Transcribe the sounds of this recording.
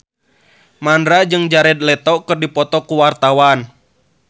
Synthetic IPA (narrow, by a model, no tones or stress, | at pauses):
mandɾad͡ʒɨŋd͡ʒaɾɛd̪̚lɛt̪ɔkɨrdipɔt̪ɔkuwart̪awan